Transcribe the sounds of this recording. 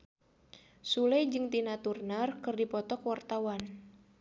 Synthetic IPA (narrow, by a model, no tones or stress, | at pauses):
sulɛjd͡ʒɨŋt̪inat̪urnarkɨrdipɔt̪ɔkwart̪awan